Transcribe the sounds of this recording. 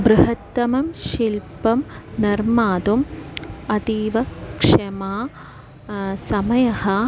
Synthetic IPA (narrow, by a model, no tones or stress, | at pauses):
bɾɐɦɐt̪ːɐmɐmʃilpɐmnɐɾmaːd̪umɐt̪iːʋɐkʂɐmaː | sɐmɐjɐhɐ